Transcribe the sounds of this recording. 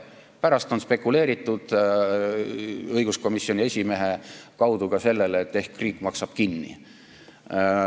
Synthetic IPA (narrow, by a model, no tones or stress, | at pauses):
pæɾɑst̪o̞nspe̞kːule̞ːɾit̪ːˑud̪̥ | ɤjɡ̥usko̞misio̞nʲiesʲime̞ɦe̞kɑwd̪̥uɡ̥ɑse̞lːe̞leːt̪ːe̞hkːriːkːˑmɑksɑb̥kinːḭ